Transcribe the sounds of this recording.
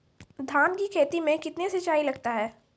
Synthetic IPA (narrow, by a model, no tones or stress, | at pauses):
d̪ʱaːnkikʰeːt̪imẽkɪt̪nesɪt͡ʃaːilɐɡ̚t̪aɦɛː